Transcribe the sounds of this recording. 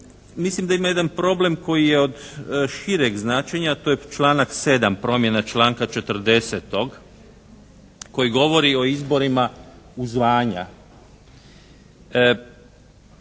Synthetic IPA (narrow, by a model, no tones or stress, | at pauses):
mislimd̪aimaje̞d̪anpɾo̞ble̞mko̞jijeo̞d̪ʃiɾeɡznaːt͡ʃeɲat̪ojet͡ʃlˠaːnakse̞d̪ampɾo̞mje̞nat͡ʃlaːŋkat͡ʃet̪ɾd̪e̞set̪o̞ɡ | ko̞jiɡo̞ʋo̞ɾio̞izbo̞ɾima | uzʋaːɲa̰